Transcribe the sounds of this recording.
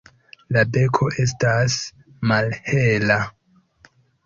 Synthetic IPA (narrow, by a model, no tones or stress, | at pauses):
labe̞kʰo̞ʔe̞s̬tas | malhe̞la